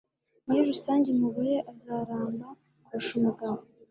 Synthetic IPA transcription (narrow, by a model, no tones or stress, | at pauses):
mujiɾusaːɲɟemuβujeʔazaɾaːmba | uʃumuɡam